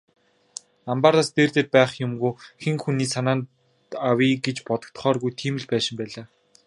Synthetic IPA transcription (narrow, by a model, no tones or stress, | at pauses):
ampart̪ast̪eːrt̪eːt̪̚pæːχjʊmɡuːxeŋxuniːsanaːn | awiːɡet͡ɕpɔt̪ɞ̆kt̪̆χɔːrɣujt̪ʰiːmɘ̆ɮpæːʃɪ̆mpæːɮaː